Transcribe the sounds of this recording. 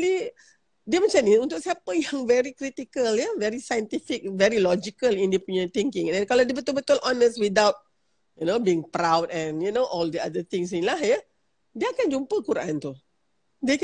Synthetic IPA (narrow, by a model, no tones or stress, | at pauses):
li | diəmə̃t͡ʃamnĩunt̪ʊk̚siapəjãŋvɛɾikɾit̪ikəljəvɛɾisajənt̪ifɪk̚vɛɾilɔd͡ʒikəlindepuɲət̪iŋkɪ̃ŋɛ̃nkalawdiəbət̪ʊlbət̪ʊlʔɔnəst̚wid̪awt̚ | junobiɪŋpɾawdɛ̃njunoʔɔldia̰dət̪ɪ̃ŋs̬ĩŋlahjə | diəakand͡ʒumpəkuɾʔã̰nt̪u | diək